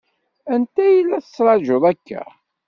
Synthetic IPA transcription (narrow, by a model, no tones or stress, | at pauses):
ænt̪æjilːæθə̥sːɾˤɑd͡ʒʊðˤækːæ̰